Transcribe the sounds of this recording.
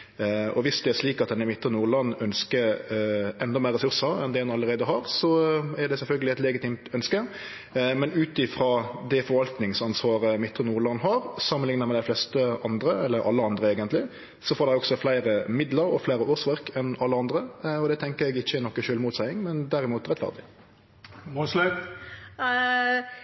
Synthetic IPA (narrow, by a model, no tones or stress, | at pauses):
ʔɔ̰ʋɪsd̪ɛæʁʂliːkɑt̪̚d̪ɛnɛmɪt̪ːɾənuːɾlɑnːœnskə | ɛnd̪ɑmæɪʁːɛsʉɾsəɾɛ̰nd̪ɛd̪ɛnɑlːəɾeɪd̪əɦɑːɾsɔɛɖ̪ɛsɛlfœlɡəlɪɛt̪lɛɡəɪt̪iːmt̪œnskə | mɛnʉːt̪ɪfɾoːd̪ɛfɔɾʋɑlt̪nɪŋsɑnsʋɑːɾəmɪt̪ːɾənuːlɑnːɦɑɾsɑmːənlɪŋnəʁmɛd̪æɪflɛst̪əʔɑnd̪ɾəɛlːəɾɑ̰lːəɑnd̪ʁəeːɡənlɪ | sɔfoːɾd̪ɛɔɡsɔflæɪɾəmɪd̪ləɾɔ̰flæɪɾəoːsʋæʁkʰɛnɑlːəɑnd̪ʁəɔd̪ɛt̪ʰɛŋkəɾɛɡɪçːəɛnɔkːəʃøːlmuːt̪sæɪɪŋmɛnd̪æɾɪmuːt̪ʁɛt̪fæ̰ʁd̪ɪ | l